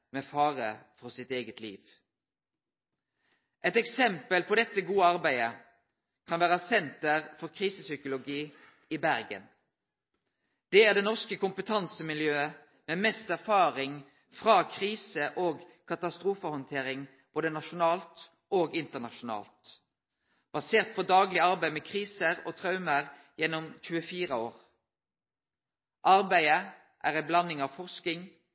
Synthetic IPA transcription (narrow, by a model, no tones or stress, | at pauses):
mɛfɑːʁəfɔʁsɪt̪eːɡət̪lḭːʋ | ʔɛt̪ɛksɛmpəlpʰɔd̪ɛt̪ːəɡuːəɑʁbæɪə | kʰɑnʋæːʁəsɛnt̪əʁfɔʁkʰʁiːsəsʏkʊlʊɡiː | ɪbæʁɡə̰n | d̪̥ɛæʁd̪eːnɔʁskəkʊmpət̪ʰɑnsəmɪljøːə | mɛːmɛst̪æʁfɑːʁɪŋ | fʁɑːkʰʁiːsəʔoːɡkʰɑt̪ɑst̪ʁuːfəhɔnt̪ʰeːʁɪŋ | b̥oːd̪ənɑʃʊnɑːlt̪ | ʔoːɡɪnt̪əʁnɑʃʊnɑ̰ːlt̪ | b̥ɑseːʁt̪̚pʰɔd̪ɑːɡlɪɑʁbæɪmeːkʰʁiːsəʁoːt̪ʰʁɑʉməʁ | jɛnːɔmc͡çʉːəfiːʁəoːʁ | ʔɑʁbæɪə | ʔæːʁæɪblɑnːɪŋɑʋfɔʁskɪŋ